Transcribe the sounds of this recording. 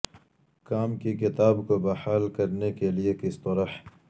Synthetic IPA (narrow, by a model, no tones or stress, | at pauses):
kaːmkikɪt̪aːbkobahalkɐɾnekeliekɪst̪oɾəħ